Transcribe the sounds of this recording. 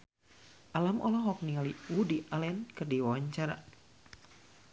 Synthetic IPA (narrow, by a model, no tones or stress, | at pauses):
ʔalamʔɔlɔɦɔk̚nialiwudiʔalɛnkɨrdiwawaɲt͡ʃaɾa̰